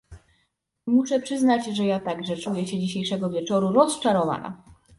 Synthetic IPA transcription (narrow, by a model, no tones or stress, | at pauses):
muʂɛpʂɘznad͡ʑʐɛjat̪aɡʐɛt͡ʂujɛɕɛd͡ʑiɕejʂɛɡɔvʲjɛt͡ʂɔɾuɾɔst͡ʂaɾɔva̰na̰